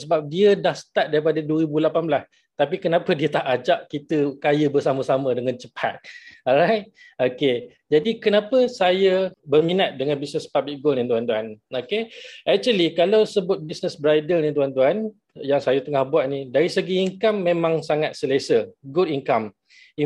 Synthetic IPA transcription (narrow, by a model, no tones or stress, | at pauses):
səbap̚diədahsə̥t̪at̪̚daɾipadaduwəɾibulapanbəlas | t̪apikənãpədiət̪aʔad͡ʒaʔkit̪əkajəbərsaməsamə̃dəŋant͡ʃəpʰat̪̚ɔɾajt̪̚ | oke | d͡ʒadikənapəsajəbərminat̪̚dəŋanbisnəspablik̚ɡolnĩnt̪uant̪uanokeɛk̚t͡ʃuəlikalawsəbʊt̪̚bisnəsbɾajdəlnint̪uant̪uan | jaŋsajat̪əŋahbuwat̪̚nĩdaɾisəɡiːŋkamːẽmãŋsaŋat̪̚səlesəɡudiŋkam | i